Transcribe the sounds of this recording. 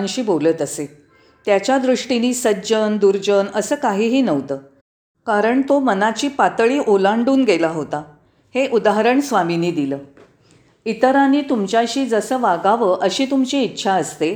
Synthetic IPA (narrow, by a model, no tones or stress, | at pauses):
nɕiːboləːt̪əse | t̪jat͡ɕjad̪ɾuʂʈiniːsət̪ːd͡ʑənd̪uɾd͡ʑənəsəːkaɦiːɦiːnəʋt̪əː | kaɾəɳt̪omənat͡ɕiːpat̪ɭiːʔolaɳɖuːnɡelaɦot̪a | heʔud̪aɦəɾəɳsʋaminiːd̪iləː | it̪əɾaniːt̪umt͡ɕjaɕiːd͡zəsəːʋaɡaʋəʔəɕiːt̪umt͡ɕiitːɕʰaəst̪e